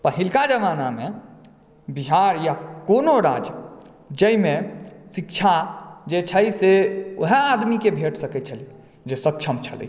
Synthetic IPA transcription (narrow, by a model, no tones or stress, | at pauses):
pəɦilkad͡ʒəʋanamẽ | biɦaɾjakonoɾa̰d͡ʒ | d͡ʒəimẽsikt͡ʃʰad͡ʒet͡ʃʰəjseoɦead̪mikebʱeʈʰsəkɛt͡ʃʰəli | d͡ʒesəkt͡ʃʰəmt͡ʃʰə̰lə̰